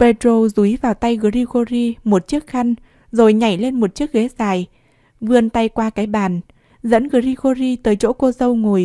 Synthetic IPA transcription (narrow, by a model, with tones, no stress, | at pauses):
pe˧t̪ɾo˧zu˨˦jvaː˨˩wt̪a˧jɣə˨˩ɾi˧ɣo˧zi˧mo˨˩t̚t͡ɕɨ˦˥ək̚xa˧jŋ̟ | zo˨˩jɲa̰˧˩˨jle˧nmo˨˩t̚t͡ɕɨ˦˥ək̚ɣe˨˦zaː˨˩j | vɨ˧ənt̪a˧jkwaː˧kaː˨˦jɓaː˨˩n | zə̰˧˥nɣɨ˨˩ɾi˧ɣo˧zi˧t̪əː˨˦jt͡ɕo̰˧˥ko˧zə˧wŋo˨˩j